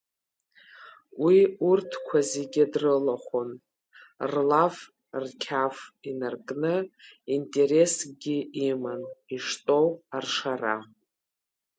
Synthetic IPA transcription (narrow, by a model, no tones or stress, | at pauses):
wiurtʰkʷʰaziɡʲɪdrɨlaχʷon | rlaf | rkʲʰafinarkʼnɨintʼe̞ɾe̞sɡʲiimaniʂtʼo̞warʂara̰